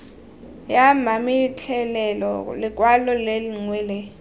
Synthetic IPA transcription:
jamamitʰɛlɛlɔlɪkʼwalɔleliŋwɛːlɛ

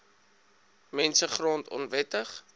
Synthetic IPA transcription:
mɛnsəχrɔntɔ̰nvɛtəχ

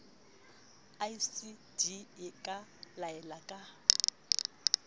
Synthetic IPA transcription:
aisid̥iɪkʼalaɛlakʼa

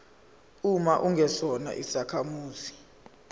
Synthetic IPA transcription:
umaʔuŋɡʱɛsɔna̰ʔisakʰamuːzi

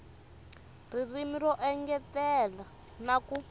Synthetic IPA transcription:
r̤irimirɔʔɛŋɡɛtɛla | naku

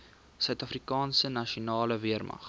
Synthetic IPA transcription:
sœɥtɐfrikɑːnsənɐʃionɑːləviərmɐ̰χ

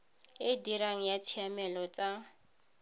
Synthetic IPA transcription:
ɪdiɾaŋ̩jat͡sʰiamɛlɔt͡sʼa

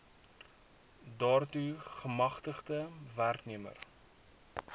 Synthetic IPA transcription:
dɑːrtuχəmɐχtəχtəværkniəmə̰r

